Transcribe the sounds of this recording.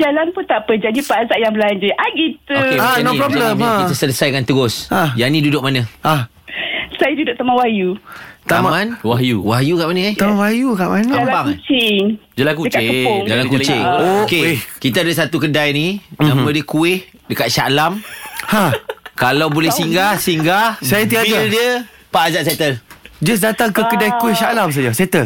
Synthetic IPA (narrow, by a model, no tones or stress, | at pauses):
d͡ʒalanpʊnt̪apəd͡ʒandipazaʔjaŋbəlaɲd͡ʒuʔaɡit̪uoeanɔɾobəkiasələsajkant̪əɡɔsajaʔnĩdudʊk̚manəa | sajadudʊk̚t̪əmawahjut̪ammãnwajuwajukaʔmanəɛhmawajukaʔbanaamlabaŋkut͡ʃɪŋd͡ʒalakuəkkaɪəŋd͡ʒalakut͡ʃɪŋokekit̪adəsat̪ukədajninamədəkuɪh | dəkat̪̚ʃalamhakalawbolɛhsiŋɡahsiŋɡahsajat̪iadaldiə | paːzaʔs̬et̪əld͡ʒas̬dat̪aŋkəkədajkuɪhʃalams̬ad͡ʒaset̪əl